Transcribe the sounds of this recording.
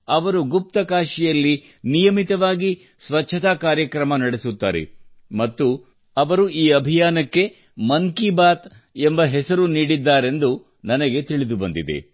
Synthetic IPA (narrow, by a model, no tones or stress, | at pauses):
ɐʋɐɾuɡup̚t̪ɐkaːʃijɐlːi | nijɐmit̪ɐʋaːɡi | sʋɐt͡ʃːʃʰɐt̪aːkaːɾjɐkɾɐmɐnɐɽesut̪ːaːɾḛmɐt̪ːu | ɐʋɐɾuiːɐbʱijaːnɐkːe̞ | mɐŋkibaːt̪ | embɐɦɛsɐɾuniːɽid̪ːaːɾe̞nd̪u | nɐnɐɡe̞t̪iɭid̪ubɐnd̪id̪ḛ